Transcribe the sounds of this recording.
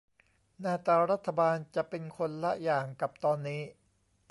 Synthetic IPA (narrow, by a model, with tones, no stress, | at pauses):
naː˧t̪aː˧ɾa˦˥t̪ʰːa˧baː˧nt͡ɕa˨˩ʔpe˧nkʰo˧nla˦˥ʔjaː˨˩ŋka˨˩p̚t̪ɔː˧nːiː˦˥